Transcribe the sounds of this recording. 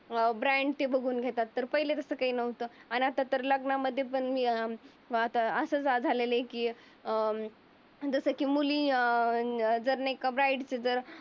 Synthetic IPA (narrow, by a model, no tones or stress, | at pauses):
bɾãɳɖt̪ebəɡʱuːnɡʱet̪at̪ːəɾpəɦilet̪əsəːkaɦiːnəʋt̪oaɽ̃iat̪at̪əɾləɡnaməd̪ʱːjepəɳmiː | at̪aəsəːt͡sad͡zʱalelekiː | d͡zəsəkiːmuliː | d͡zəɾnaekabɾaiɖt͡sed͡zəɾ